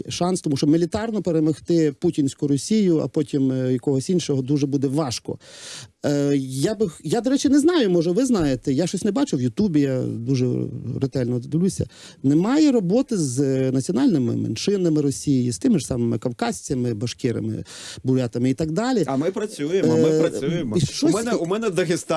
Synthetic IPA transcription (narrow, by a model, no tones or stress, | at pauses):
ʃɑnst̪ɔmuʃt͡ʃɔmelʲit̪ɑrnɔpeɾemɔxt̪ɪputʲinʲsʲkʊɾɔsʲijʊɐ̰pɔtʲimjɐkɔɦɔsʲinʲʃɔɦɔd̪uʒɛbud̪ɛʋɑʃkɔ̰ | jabɪjad̪ɔɾɛt͡ʃɪnɛznɑjʊmɔʒɛʋɪznɑjet̪ɛjaʃt͡ʃɔsʲnɛbɑt͡ʃʊwjʊt̪ubʲijad̪uʒɛ̰rɪt̪ɛlʲnɔd̪d̪ɪlʲusʲɐ̰ | nɛmɑjɛɾɔbɔt̪ɪznɐt͡sʲiɔnɑlʲnɪmɪ̰mɛ̰nʃɪnɐmɪɾɔsʲijijist̪ɪmɪʃsɑmɪmɪkɐwkɑsʲt͡sʲɐmɪbɐʃkɪɾɐ̰mɪ̰ | bʊɑt̪ɐmɪit̪ɑɡ̚d̪ɑlʲiɐmɪpɾɐt͡sʲujemɪɐujemiʃt͡ʃɔsmɛnɛʊmɛnɛd̪ɐxɪst̪